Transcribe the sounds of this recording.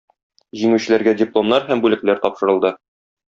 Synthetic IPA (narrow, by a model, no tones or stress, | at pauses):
ʑiŋʉ̆ɕɘ̆læɾɡædʲɪplˠo̞mnɑɾɦæmbʉlɘ̆klæɾt̪ɒpʃɤ̆ɾɤ̆lˠd̪ɤ